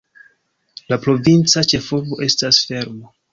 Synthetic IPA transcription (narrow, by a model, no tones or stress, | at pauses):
lapɾo̞vint͡sat͡ʃe̞fo̞vo̞ʔe̞stasfe̞ɾmo